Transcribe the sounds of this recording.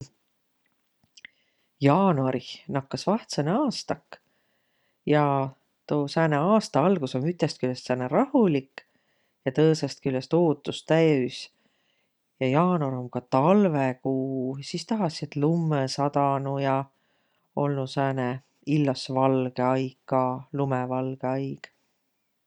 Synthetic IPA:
jɑːnuɑɾinɑkːɑsvɑht̪seneɑːst̪ɑkː | jɑ | t̪oːsæːneɑːst̪ɑɑlɡ̥usomyt̪ːest̪̚kylːest̪sæːneɾɑhulikːˑ | jɑt̪ɤːsest̪̚kylːest̪oːt̪ːˑust̪æjys | jɑjɑːnoɾomkɑt̪ɑlvekuːsist̪ɑɦɑset̪ˑlumːesɑt̪ɑnujɑ | o̞lnusæːne | ilːɑsvɑlɡeɑjɡ̥kɑlumevɑlɡ̥eɑjɡ̥

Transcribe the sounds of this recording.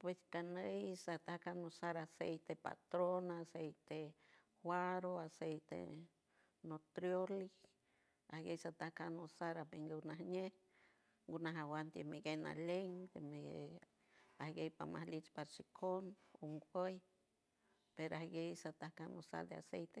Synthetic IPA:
pweskanəjsat̪ahkanosaɾasejt̪epa̰t̪ɾonasejt̪e | hwaɾoasejt̪ḛ | not̪ɾjolik | ahɡejsat̪ahkanosaɾabeŋɡewnahneh | ŋɡunaɦawant̪emiɡena̰leŋd̪emee | ahɡejpa̰ma̰hlit͡ʃpaɾt͡ʃikʰonoŋɡʷəj | peɾoahɡejsat̪ahkanosa̰ɾd̪ea̰sejt̪e

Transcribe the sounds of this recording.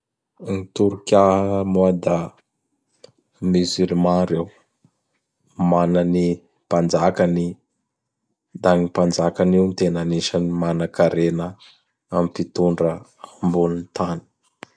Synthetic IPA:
nit̪uɾukʲamoad̪a | myzylmãɾew | manəni | pand͡ʒakəni | d̪aŋipand͡ʒakaniwnit̪enaniʃənimanakaɾenə | ampit̪uɳɖ͡ʐəambunint̪ani̥

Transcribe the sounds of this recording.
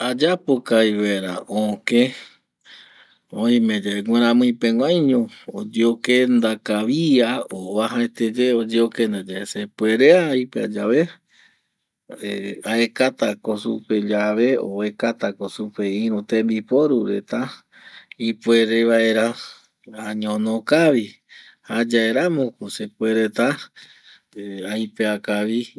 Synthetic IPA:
ad͡ʒapokajβaeɾa̰ʔõkẽ | oĩmẽd͡ʒeeɡwẽɾ̃ãmɨ̃ĩpeŋʷãjɲõod͡ʒeokend̪akaβiaoβaɦaet̪ed͡ʒeod͡ʒeokend̪ad͡ʒaesepueɾeaipea̰d͡ʒaβe | eaekat̪akosupe̞d͡ʒaβe̞oekat̪akosupeĩɾut̪ẽmbipoɾuɾet̪a | ipweɾeβaeɾa | aɲõnõkaβi | had͡ʒaeɾamõkusepweɾet̪a | ajpeakaβi

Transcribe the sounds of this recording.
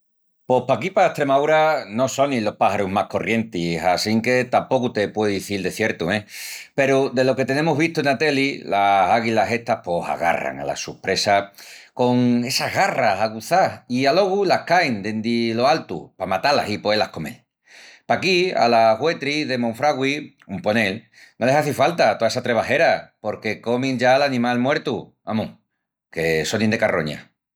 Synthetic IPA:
po̞hpakipaeht̪ɾe̞maðuɾano̞so̞nilo̞pahaɾuɦmahko̞rje̞nt̪isasiŋke̞t̪ampo̞kut̪e̞pwe̞ððiθild̪e̞θje̞ɾt̪uẽpe̞ɾud̪e̞lo̞ke̞t̪e̞ne̞muɦβiht̪uenat̪e̞lilasaɣilase̞ht̪ahpo̞sa̰ɣa̰ra̰ŋa̰la̰supɾe̞sako̞ŋe̞saɦɣarasaɣuθaialo̞ɣ̞ulahkajnd̪end̪ilo̞alt̪ṵpamat̪ala̰sipwoelahko̞me̞̰l | pakia̰laɣwe̞t̪ɾiðe̞moɱfɾaɣwi | umpo̞ne̞l | no̞le̞ɦaθifalt̪at̪oaes̬at̪ɾe̞βaɦe̞ɾapo̞ɾke̞ko̞mĩŋd͡ʒalanĩmalmwe̞ɾt̪u | a̰mũŋ | ke̞so̞nind̪e̞karo̞̰ɲa̰

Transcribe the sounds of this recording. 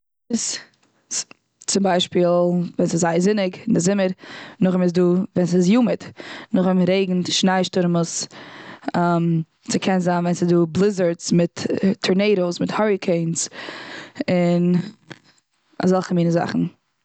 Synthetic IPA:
ɪs | t͡sɪmbaɪʃpiːlˠvɛnsɪzaɪəzɪnɪɡɪndɪzɪməɾnʊχɪmɪz̬duːvɛns̬ɪzjuːmətnʊχɪmɾeɪɡŋ̩tʃnaɪʃtʊɾmʊs | am | t͡sɪkʰɛnzaːnvɛnsɪzduːblˠɪzəɹt͡smɪtʰːəɹneɪɾoʊsmɪthɔɹɪkʰeɪns | ɪn | a̰zɔlˠχəmiːnəza̰χn̩

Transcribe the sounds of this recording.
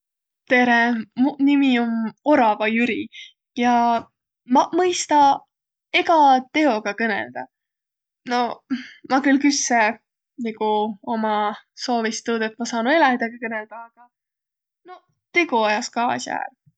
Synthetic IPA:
t̪e̞ɾemnimio̞no̞ɾɑvɑjyɾi | jɑ | mɑmɤjst̪ɑ | eɡ̥ɑt̪e̞o̞ɡ̥ɑkɤne̞̰ld̪̥ɑ̰ | no̞mɑkylkysːe | niɡ̥uo̞mɑso̞ːvist̪ud̪et̪mɑsɑːnue̞lɑmid̪̥ɑɡ̥ikɤneld̪̥ɑːɡ̥ɑ | no̞ | t̪eɡ̥uojɑskɑːsjæ̰ːr

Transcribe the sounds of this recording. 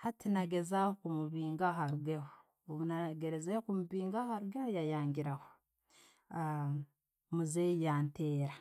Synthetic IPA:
hatʰinaɡezakumuβiːŋɡaɦaɾuɡeho | oβunaɡeɾezekumuβiːŋɡahaɾuɡehojajaːŋɡiɾaho | a | muzejaːnteːɾa

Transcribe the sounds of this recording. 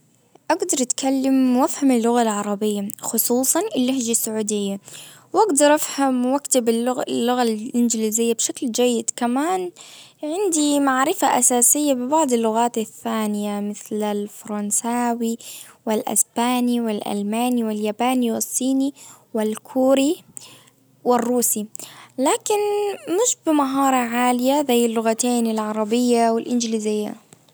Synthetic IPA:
ʔaɡd̪ɑɾˤʔt̪kʰalːɪmwafhamɪlːʊɣalʕɑɾˤɑbɪjːaxʊsˤuːsˤɑnɪlːahd͡ʒasːʊʕuːd̪ɪjːa | wʔaɡd̪ɑɾˤʔafhamwakt̪ɪbɪlːʊɣalʔɪnd͡ʒliːzɪjːabʃakld͡ʒajːɪd̪kamaːnʕɪnd̪imaʕɾɪfaʔasaːsɪjːabɪbɑʕd̪ˤɪlːʊɣaːt̪aθːaːnɪjamɪθlalfɑɾˤɑnsaːwiwɪlʔɪ̰sbaːniwɪlʔa̰lmaːniwɪljaːbaːniwɪsˤːiːni | wɪlkʰuːɾi | wɪrːuːsilaːkɪnmɪʃbɪmaɦɑːɾˤɑʕaːlɪjazajːɪlːʊɣat̪eːnɪlʕɑɾˤɑbɪjːawɪlʔɪnd͡ʒliːzɪjːa̰

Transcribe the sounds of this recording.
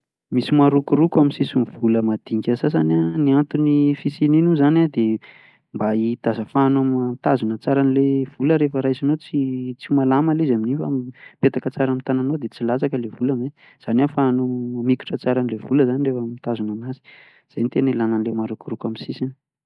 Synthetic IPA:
misimaɾukuɾukwaminsisinvuləmad̪̥iŋkʲəsas̬ananiant̪unifisininuzanad̪e | mbait̪azəfanamt̪azunət͡saɾanilev̥uləɾefəɾasinot͡sit͡simalamaleizaminifa̰mipet̪akət͡saɾamit̪ananod̪et͡silat͡sakəlevulame | z̥anafanumiku̥ʈ͡ʂət͡saɾanilevuləzanirefamit̪azunamazi̥ | z̥ejnt̪enilananlemaɾukuɾukaminsisin

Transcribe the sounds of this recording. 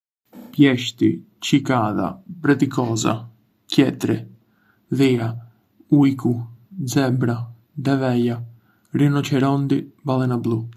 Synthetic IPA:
pjɛʃt̪i | t͡ʃikaða̰pɾɛt̪ikɔza̰ | cɛt̪ɾɛ | ðia | ujkud͡zɛbɾa | d̪ɛvɛja | rinɔt͡ɕɛɾɔnd̪ibalˠɛnablˠu

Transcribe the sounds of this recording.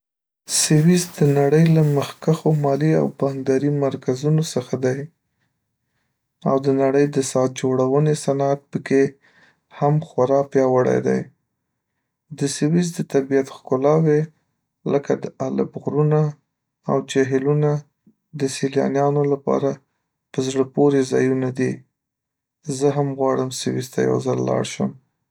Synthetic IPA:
sɪwizd̪ənaɽəjlaməxkaxomɑlia̰wpɑŋɡd̪ɑɾimaɾkazunosəxad̪aj | awd̪ənaɽəjd̪əsɑt̪̚d͡ʒoɽawənesanat̪̚pəke | hamxwaɾɑpjɑwəɽa̰jd̪a̰j | d̪əsɪwizd̪ət̪abijat̪xkʊlɑwe | ləkad̪əʔala̰bɣɾuna | awd͡ʒeɦɪluna | d̪əsiljɑ̰njɑnolapɑ̰ɾa | pəzɽəpoɾezɑjunad̪i | zəɦamɣwɑɽəmsɪwizt̪aja̰wzalːɑ̰ɽʃəm

